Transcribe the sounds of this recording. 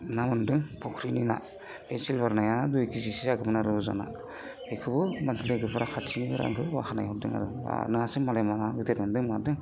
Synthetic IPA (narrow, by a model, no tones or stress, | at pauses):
namɯndɯŋpʰɔkʰɾinina̰ | pesilbaɾnajadujkʰis̬isizaɡɯbɯnaɾɯza̰na̰ | ekʰɯbɯmantʰilɯɡɯpʰɾakʰatʰinibɯɾa̰mkʰɯba̰xʰanajɦɔdɯŋa̰ɾɯ̰nɯhasɯmalajmamaɡɯteɾmɯndɯŋnadɯŋ